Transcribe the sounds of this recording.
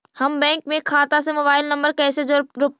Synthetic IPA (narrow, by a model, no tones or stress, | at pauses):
hɐmbɛ̃ːŋkmẽkʰːaːt̪as̬emoːbaːɪlnə̃mbəɾkɛːsed͡ʒoːɾʊ